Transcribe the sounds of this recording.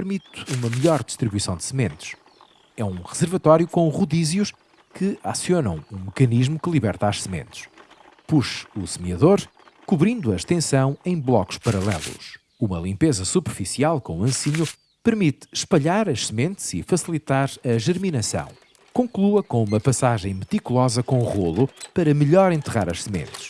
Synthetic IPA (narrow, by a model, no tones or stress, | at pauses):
pɨɾmit̪umɐmʎɔɾd̪ɨ̥ʃt̪ɾiβuisɐ̃w̃d̪ɨ̥sɨmẽnt̪ʃ | ɛũʁɨzɨɾvɐt̪ɔɾjukõʁuðizjuʃ | kʰɨa̰sjonɐ̰̃w̃ũmɨkɐniʒmukɨlˠiβɛɾt̪aʃsɨmḛ̃nt̪ʃ | puʃusɨmiɐðoɾ | kuβɾĩnd̪uɐʃt̪ẽsɐ̃w̃ɐ̃j̃blˠɔku̥ʃpɐɾɐlˠɛ̰lˠṵʃ | umɐlˠĩmpezɐsupɨɾfisialˠkõuɐ̃siɲu | pɨɾmit̪ʃpɐʎaɾɐʃsɨmẽnt̪z̥ifɐsilˠit̪aɾɐʒɨɾminɐsɐ̰̃w̃ | kõŋklˠuɐkõumɐpɐsaʒɐ̃j̃mɨt̪ikulˠɔzɐkõuʁolˠupɐɾɐmɨʎɔɾẽnt̪ɨʁa̰ɾɐʃsɨmḛ̃nt̪ɨʃ